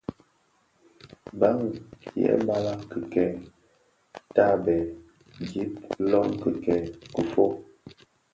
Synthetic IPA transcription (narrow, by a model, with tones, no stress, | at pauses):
ba˨˦ŋjɛ̰˨˦ba˦la˦kə˨kɛ˨ | ta˦˨bɛ˨ | ɡi˦p̚lɔ˦ŋkə˨kɛ˨ku˨fo˦